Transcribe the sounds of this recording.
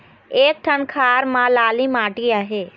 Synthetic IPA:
eːk̚ʈʰənkʰaːɾmãlaːlimaːʈiaːɦeː

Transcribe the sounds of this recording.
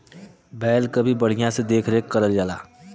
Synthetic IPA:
bɛːlkɐbʱibɐɽ̤ɪjãsed̪eːkʰɾeːkkɐɾəld͡ʒaːla̰ː

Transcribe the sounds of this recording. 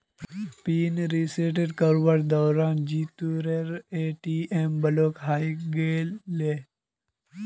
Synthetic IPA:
piːnɾiːseːʈ̬eɖkəɾwəɾd̪ɔːɾaːnd͡ʒiːt̪uːɾeɾeːʈiːʔembɐloːkɦaːiɡeːleː

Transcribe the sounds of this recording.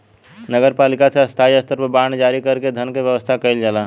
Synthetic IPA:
nəɡəɾpaːlɪkaseɐst̪ʰaːiɐst̪əɾbəbaːɳd͡ʒaːɾikɐɾked̪ʱənkeʋjəʋəst̪ʰakɐɪld͡ʒala

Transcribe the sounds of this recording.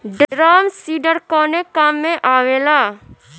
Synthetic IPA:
ɖɾaːmsiːɖəɾkɔːnekamːẽʔaːʋeːlaː

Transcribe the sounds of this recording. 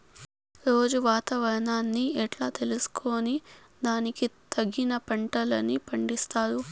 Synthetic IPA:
ɾo̞ːd͡ʒuʋaːt̪aːʋɐɾɐnaːnːiɛʈlaːt̪e̞lusu̥kʰo̞ːni | d̪aːnikit̪ʰɐɡːinɐpɐɳʈɐlɐ̰nipɐɳɖist̪aːɾu

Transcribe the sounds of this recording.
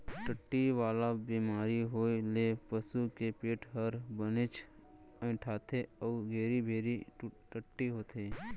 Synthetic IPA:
ʈəʈːiʋaːlabiːmaːɾiɦoːilepəsukepeːʈʰɦəɾbənɪt͡ʃ | ə̃ʈʰaːt̪ʰeɔːɡʱeːɾibʱeːɾiʈəʈːiɦoːt̪ʰeː

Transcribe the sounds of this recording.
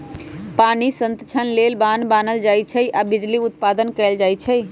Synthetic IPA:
panisə̃nt̪ət͡ʃʰənlelbanbanəld͡ʒajt͡ʃʰəjʔabid͡ʒliʊt̪pad̪ənkɛld͡ʒajt͡ʃʰəj

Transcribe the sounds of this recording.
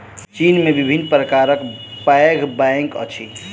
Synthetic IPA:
t͡ʃinmebibʱinːpɾəkaɾəkpaeɡʱbãŋkə̰t͡ʃʰi

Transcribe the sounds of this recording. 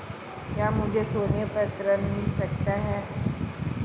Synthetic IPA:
kjamũd͡ʒʱesoːnjəpət̪ɾənmisəkt̪aɦɛ

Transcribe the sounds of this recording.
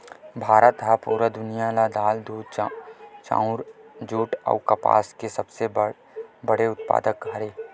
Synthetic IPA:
bʱaːɾət̪ɦapuːɾəd̪ʊnijalad̪aːld̪uːd̪t͡ʃt͡ʃã̰ːʊɾd͡ʒuːʈɔ̰ːkɐpa̰ːskesɐbse | bəɽeʊt̪pa̰ːd̪ək̚ɡʱɐɾeː

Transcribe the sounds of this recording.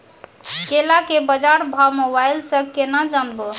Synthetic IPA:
kelakebəd͡ʒaɾbʱamobajlsə̃kenad͡ʒanbo

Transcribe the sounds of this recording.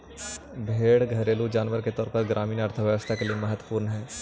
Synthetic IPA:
bʱeːɽɡʱɐɾeːlud͡ʒaːnʋəɾket̪ɔːɾpɐɾɡɾʔaːmiːnəɾt̪ʰəʋjəʋəst̪ʰakeliemɐɦət̪wəpuːɾnɦɛː

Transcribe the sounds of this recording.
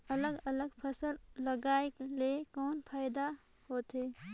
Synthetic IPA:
ələɡələɡpʰəsəlːəɡaːekelekɔːnpʰaːɪd̪a | hoːt̪ɦeː

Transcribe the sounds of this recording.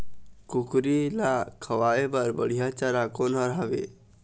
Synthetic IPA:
kukɾilakʰəʋaːebəɾbəɽ̤ijat͡ʃaɾakonəɾɦaʋḛ

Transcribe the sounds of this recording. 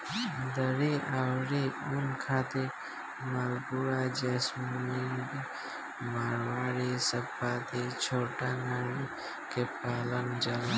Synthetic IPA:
d̪əɾiʔawɾiunkʰaːt̪e | malɡuɾad͡ʒesmiɡ | maɾwaːɾisəpaːt̪et͡ʃʰoːʈaŋaɾi | kepaːləŋd͡ʒala

